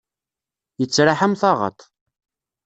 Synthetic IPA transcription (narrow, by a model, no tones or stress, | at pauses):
jət͡sːɾaħamθɑʁə̰t̪ˤ